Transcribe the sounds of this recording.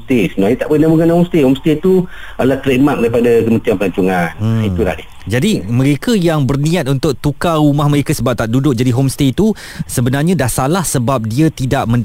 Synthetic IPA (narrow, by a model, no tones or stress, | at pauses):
t̪esunajət̪aʔbənabuɡanaɦomst̪ehomst̪et̪u | alaht̪əɾemak̚daɾipadakəmə̃nt̪ianpəlaɲt͡ʃuŋaniula̰hdi | d͡ʒadimə̃ɾekajaŋbərnĩat̪̚unt̪ʊk̚t̪ukarumahmə̃ɾekasəbap̚t̪aʔdudʊk̚d͡ʒadiɦomst̪et̪u | səbənarɲãdahsalahsəbap̚diət̪idaʔmə̃nd